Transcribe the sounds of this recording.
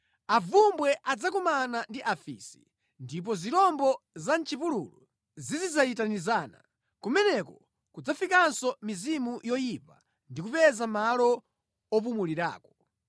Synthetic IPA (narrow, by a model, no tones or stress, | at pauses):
avumbwɛʔad͡zakumanandiʔafḭsi̥̰ | ndip̬ɔziɾɔmbɔzant͡ʃipulṵlṵ | zizid͡zajitanizaːna̰ | kumɛnɛkɔ | kud͡zafikansɔmizimujɔjipa | ndikupɛzamalɔ | ɔp̬umuliɾa̰ːkɔ̥